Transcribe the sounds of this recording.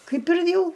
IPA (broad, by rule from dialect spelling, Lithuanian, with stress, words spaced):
ˈkɐɪp ɪr ˈjɛʊ